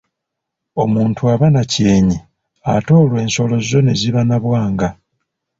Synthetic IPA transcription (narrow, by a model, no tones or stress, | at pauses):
o̞muːntʰuaβanace̞ːɲi | a̰to̞ːlwe̞ːnso̞lo̞zo̞ne̞ziβanaβwaːŋɡa